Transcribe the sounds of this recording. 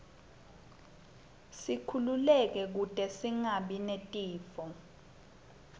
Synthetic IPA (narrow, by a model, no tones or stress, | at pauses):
sikʰululɛk̬ɛk̬utʼɛsiŋaɓinetʼiːfɔ